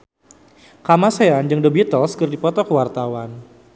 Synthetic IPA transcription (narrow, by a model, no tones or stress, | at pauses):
kamaseand͡ʒəŋdəbit̪ɔlskərdipɔt̪ɔkəwart̪awan